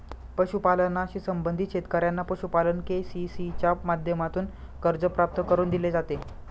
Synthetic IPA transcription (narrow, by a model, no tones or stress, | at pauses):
pəɕupalənaɕiːsəmbənd̪ʱit̪ɕet̪kəɾjanːapəɕupalənkesisit͡ɕamad̪ʱjəmat̪uːn | kəɾd͡zəpɾap̚t̪əkəɾuːnd̪iled͡zat̪e